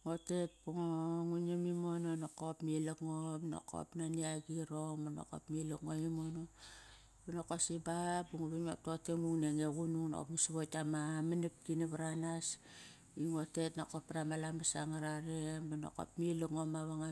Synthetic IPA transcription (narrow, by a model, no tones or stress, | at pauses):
ŋote̞t̚buŋoŋunemimononokopmilekŋopno̰kʰo̰pnaniaɡiɾoŋmano̰ko̰pmilokŋomimono | banokosibapuŋoβinop̚totemuŋneŋeɣunuŋno̰ko̰pmisiβotamamanip̚kinaβaɾanas | iŋote̞tnakopːaɾamalambasaŋaɾaɾembano̰ko̰pmilokŋomaβaŋa